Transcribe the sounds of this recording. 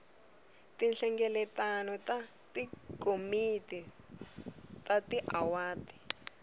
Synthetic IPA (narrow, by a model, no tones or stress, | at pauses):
tinɬɛŋɡɛlɛtanɔta | tikʼomiti | tatiʔawaːti̥